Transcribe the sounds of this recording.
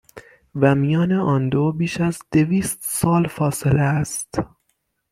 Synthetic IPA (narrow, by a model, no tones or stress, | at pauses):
væmijɒːneɒːnd̪oːbiːʃæzd̪̥e̞viːst̪sɒːlfɒːse̞leæst̪